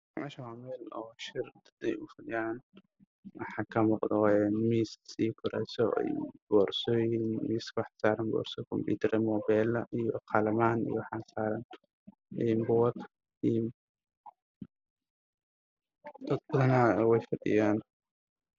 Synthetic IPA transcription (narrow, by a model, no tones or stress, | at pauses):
mɛʃamɛlɔːʃɪrd̪ɐ̥d̪ɛ̰jʊfɐd̪ɪjaːn | wɑħɑːkʰɐmɔqd̪ɔɛnmiːssiːkʰʊɾɛ̰jsɔ̰bɔːrsɔːjinmiːskwɑħsaːɾɐnbɔ̰ːrsɔkʰɔmpṵːt̪ʰɐɾɐmɔːbɛːlɐʔijɔqʰɑlɐmaːnḭjɔwħasaːɾɐn | ɛmbɔwɐt̪ | im | d̪̥ɐd̪̚bɐðɐnawɛjfɐrɖɪ̰jaːn